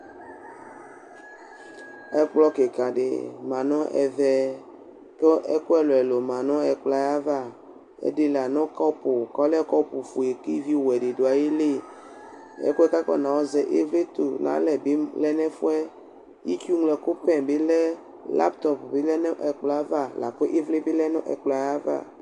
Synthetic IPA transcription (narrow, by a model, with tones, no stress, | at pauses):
ɛ˦k͡plɔ˦ke˨ka˨ɖḛ˨mã˨nɔ̃˦ʔɛ̰˨vɛ˦ | kɔ˦ʔɛ˦ko˦ɛ˦lo˨ɛ˨lo˨mã˨nɔ̃˦ɛ˨k͡pla˦ja˦va˦˨ | ḛ˦de˦la˨nɔ̃˦kɔ˦po˨kɔ˦lkɔ˦po˨fu˨e˨ki˦vi˦wɛ˨ɖe˨do˨a˨je˦le˦ | ɛ̰˦ko˦ɛ˦ka˦kɔ̰˦˨nã˨wɔ˦zɛ˨ʔe˦vle˦t̪o˨nã̰˦lɛ˨be˦lɛ˦nɛ̃˦fo˦ɛ˦ | ji˦tu˦ŋlɛ˨ko˦pɛ̃˨be˦lɛ˦ | la̰˦pt̪ɔ˦pbe˦lɛ˦n˦ʔɛ˨k͡pla˦va˦˨la̰˨ko˦ʔe˦vle˦be˦lɛ˦nɔ̃˦ʔɛ̰˨k͡pla˨ja˦va̰˦˨